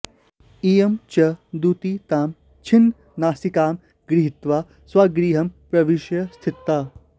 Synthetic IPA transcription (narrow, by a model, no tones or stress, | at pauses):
iːjɐmt͡ʃɐd̪ut̪it̪aːm | t͡ʃʰin | naːsikaːm | ɡɾiɦit̪ʋaː | sʋaːɡɾiːɦɐmpɾɐʋiʃjɐst̪ʰit̪ːaː